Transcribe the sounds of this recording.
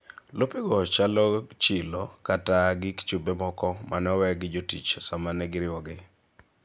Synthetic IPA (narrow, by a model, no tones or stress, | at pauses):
lopiɡɔt͡ʃalɔt͡ʃɪlokataɡɪkt͡ʃubemɔkɔmanɔwɛɡɪd͡ʒotit͡ʃsamanɛɡɪɾɪwɔɡɪ